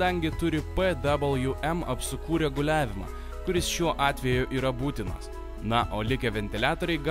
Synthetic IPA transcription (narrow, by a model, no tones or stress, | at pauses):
ɐŋʲɡʲɪt̪ʊɾʲɪpɛd̪ɐblˠjuʔɛmɐpʲsʊkuːɾʲɛɡʊlʲæːʋʲɪmɑ̰ː | kʊɾʲɪsʃʲuɔʔɑːt̪ʲʋʲɛjʊʔiːɾɐbuːt̪ʲɪnɐ̰s | nɐʔoːlʲɪkʲɛʋʲɛnʲt̪ʲɪlʲæːt̪oːɾʲɛɪɡ